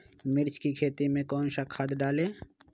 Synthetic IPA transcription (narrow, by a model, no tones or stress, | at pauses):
mɪɾt͡ʃkikʰeːt̪imẽkɔːnʃakʰad̪ɖaːleː